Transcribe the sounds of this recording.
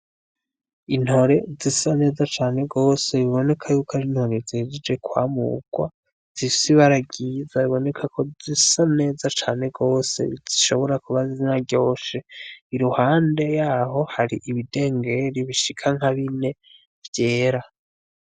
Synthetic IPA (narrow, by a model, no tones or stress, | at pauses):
in̥ho̞ɾe̞zisane̞ːzat͡ʃaːne̞ɡo̞ːse̞βiβo̞ne̞kʰajuːkaɾinho̞ɾe̞zihed͡ʒed͡ʒe̞kwa̰ːmṵɡ̥wa | z̥isiβaɾaɡiːzaβiβo̞ne̞kʰakʰo̞zisane̞ːzat͡ʃaːne̞ɡo̞ːse̞̰iziʃo̞βo̞ɾakuβazizinaɟo̞ːʃeiɾuhaːnde̞jaːɦo̞haɾiʔiβide̞ːŋɡe̞ɾiβiʃikʰaŋ̥haβine̞ | vje̞ːɾa